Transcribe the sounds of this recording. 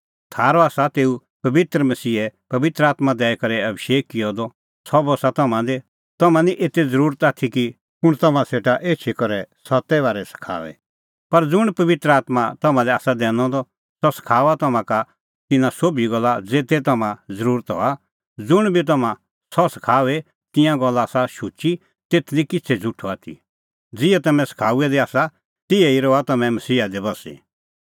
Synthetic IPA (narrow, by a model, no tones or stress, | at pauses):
t̪ʰaːɾɔaːsat̪eːu | pɐʋɪt̪ɾəmɐsiːɛpɐʋɪt̪ɾəaːt̪mad̪ɛːɛkɐɾɛɐbʃeːkːɪjɔd̪ɔ | sɔbɔsat̪ɐmãd̪e | t̪ɐmãniʔeːt̪ed͡zɐɾuːɾət̪aːt̪ʰiki | pʊɽ̃t̪ɐmãseːʈaʔeːt͡ʃʰikɔɾɛsɐt̪ːɛʋaːɾɛsɐ̥kʰa̰ːʋɛ̰ | pɐɾd͡zʊɽ̃pɐʋɪt̪ɾəaːt̪mat̪ɐmãlɛaːsad̪ɛ̃ːñɔ̃d̪ɔ | sɔsɐ̥kʰaːʋat̪ɐmãka | t̪ɪnãsobʱiɡɔlːad͡zeːt̪ɛt̪ɐmãd͡zɐɾuːɾət̪ɦɔ̰a | d͡zʊɽ̃bʱit̪̬ɐmã | sɔsɐ̥kʰaːʋɛ | t̪ɪ̃jãɡɔlːasaʃut͡ʃi | t̪eːt̪ʰlikɪt͡sʰɛd͡zʱʊʈʰɔaːt̪ʰḭ | d͡zɪɛt̪ɐmɛ̃sɐ̥kʰaːuɛd̪iaːsa | t̪ɪɛiɾɔat̪ɐmɛ̃mɐsiːad̪ibɐsḭ